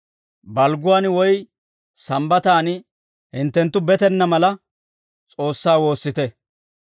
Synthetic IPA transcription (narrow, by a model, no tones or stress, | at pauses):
bɐlɡʊwaːnwɔj | sɐmbɐt̪aːn | hɪnt̪ːɛnt̪ːʊbɛt̪ɛnːɐmɐlɐ | t͡sʼo̞ːsːaːwo̞ːsːɪt̪ɛ